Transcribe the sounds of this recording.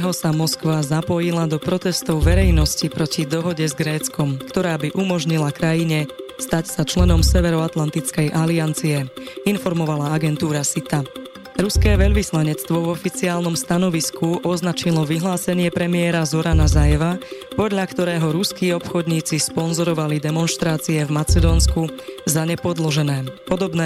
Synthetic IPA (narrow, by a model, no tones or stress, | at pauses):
ɦɔsamɔskʋazapɔjilad̪ɔpɾɔt̪ɛst̪ɔʊʋɛɾɛjnɔscipɾɔcid̪ɔɦɔɟɛzɡɾɛːt͡skɔmkt̪ɔɾaːbiʔumɔʒɲilakɾajiɲɛst̪acsat͡ʃlɛnɔmsɛʋɛɾɔat̪lant̪it͡skɛjʔaliant͡siɛinfɔɾmɔʋalaaɡɛnt̪uːɾasit̪a | ɾuskɛːʋɛʎʋislaɲɛt͡st̪ʋɔvɔfit͡siaːlnɔmst̪anɔʋiskʰuʔɔznat͡ʃilɔʋiɦlaːsɛɲɪɛpɾɛmɪɛɾazɔɾanazajɛʋapɔd̪ʎakt̪ɔɾɛːɦɔɾuskiːɔpxɔd̪ɲiːt͡sispɔnzɔɾɔʋalid̪ɛmɔnʃt̪ɾaːt͡siɛvmat͡sɛd̪ɔnskuzaɲɛpɔd̪lɔʒɛnɛːpɔd̪ɔbnɛː